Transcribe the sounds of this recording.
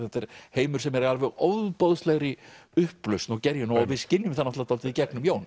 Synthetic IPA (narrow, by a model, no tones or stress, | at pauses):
θɛt̪ɛɾ̥heːjmʏɾ̥sɛmɛɾalvɛɣɔwððpoðst̪leːɣɾɪʏhplœst̪nɔɣcɛɾjʏnɔavɪðscɪnːjʏmθanːat̪lat̪ʰalt̪ɪðicɛknʏmjoːwn